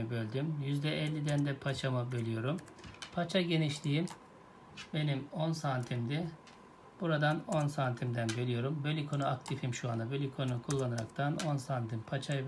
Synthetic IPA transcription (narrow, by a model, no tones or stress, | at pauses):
bølʲd̪ymjyzd̪ɛʔɛlʲːid̪ænd̪ɛpʰat͡ʃʰamɯbølʲyjo̞ɾum | pʰat͡ʃʰaɟe̞niʃlʲijim | be̞nimo̞nsaːnt̪ʰimd̪ɪ | b̥uɾad̪ano̞nsaːnt̪ʰimd̪ænbølʲijo̞ɾumbø̞lʲikʰo̞nuakt̪ʰifimʃuanabø̞lʲykʰo̞nkʰulˠːanɯɾa̰kt̪ʰano̞nsant̪ʰimpʰat͡ʃʰajɯ